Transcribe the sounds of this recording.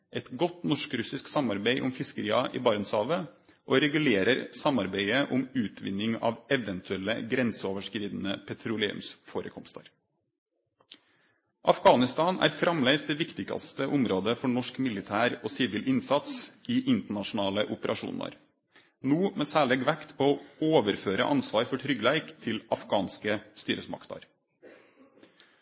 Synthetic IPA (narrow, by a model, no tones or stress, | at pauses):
ʔɛt̪ɡɔt̪nɔʂkɾʉsɪsksɑmɑɾbeɪʔʊmfɪskəɾiːɑʔɪ̰ːbɑːɾənsɑːʋə | ʔoːɾɛɡʉleːɾəɾsɑmɑɾbeɪəʔʊmʉːt̪ʰʋɪ̰nːɪŋɑ̰ːʋɛʋɛnt̪ʰʉɛlə̰ɡɾɛnsəoːʋəʂkɾiːd̪nəpʰɛt̪ʰɾʊlḛːʉ̰msfoːɾə̰kʰɔmst̪ə̰ɾ | ʔɑfɡɑːnɪst̪ɑːnæ̰ːɾfɾɑmleɪsd̪eːʋɪkt̪ɪɡɑ̰st̪əʔʊmɾoːd̪əfɔɳɔʂkmɪlɪt̪ʰæːɾoːsiːʋɪlʔɪnsɑt̪siːʔɪnt̪əɳɑʂʊnɑːləʔʊpəɾʔɑʂṵːnə̰ɾ | nuːmeːsæːɭeːɡʋækt̪pʰoːoːoːʋəɾføːɾə̰ʔɑnsʋɑːɾfɔʈʰɾʏɡlæɪkt̪ʰɪlɑfɡ̥ɑːnskəst̪yːɾəsmɑ̰kt̪ɑ̰ɾ